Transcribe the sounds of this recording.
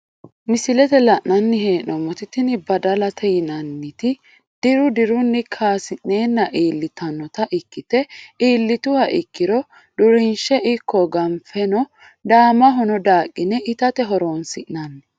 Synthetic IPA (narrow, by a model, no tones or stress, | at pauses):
mɪsɪlɛt̪ɛlɐʔnːɐnːɪɦe̞ːnɔmɔt̪ɪt̪ɪnɪbɐd̪ɐlɐt̪ʰɛjɪnɐnːɪt̪ɪ | d̪̥ɪɾʊd̪ɪɾʊnːɪkʰaːsɪnneːnːɐʔiːlːɪt̪ʰɐnːɔt̪ɐʔɪkːɪt̪ɛiːlːɪt̪ʊhɐʔɪkːɪɾɔ | d̪ʊɾɪnʃɛʔɪkːɔɡɐmfɛnɔ | d̪aːmɐɦɔnɔd̪aːkʼːɪnɛʔɪt̪ɐt̪ɛɦɔɾoːnsɪʔnɐnːɪ